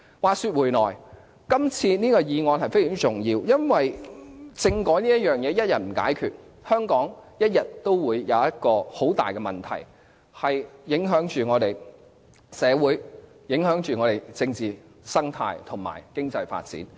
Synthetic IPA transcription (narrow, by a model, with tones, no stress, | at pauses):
waː˨syː˧t̚wu˨˩jnɔː˨˩j | kɐ˥mt͡sʰiː˧niː˥kɔː˧jiː˨˧ŋɔː˧nhɐ˨jfe˥jːt͡sʊ˨˩ŋjiː˧wjɐ˥nwɐ˨jt͡sɪ˧ŋkɔː˨˥ŋniː˥jɐ˥t̚jœː˨ŋjɛː˨˧jɐ˥t̚jɐ˨t̚m̩˨˩ka̰ː˨˥jkʰyː˨t̚ | hœː˥ŋkɔː˨˥ŋjɐ˥t̚jɐ˨t̚t̪ːo˥wwuː˨˧jːɐ˨˧wjɐ˥t̚kɔː˧ho˨˥wt̪a̰ː˨jkɛː˧mɐ˨nt̪ʰɐ̰˨˩j | hɐ˨jjɪ˨˥ŋɦœː˨˥ŋt͡ʃyː˨ŋɔː˨˧t̪e˨j | sɛː˨˧wuː˨˥j | jɪ˨˥ŋɦœː˨˥ŋt͡ʃyː˨ŋɔ˨˧ɾe˨˩jt͡sɪ˧ŋt͡siː˨ | sɐ˥ŋt̪ʰa̰ː˧jt̪ʰʊ˨˩ŋma̰ː˨˩jkɪ˥ŋt͡sɐ˧jfa̰ː˧t̚t͡sḭː˨˥n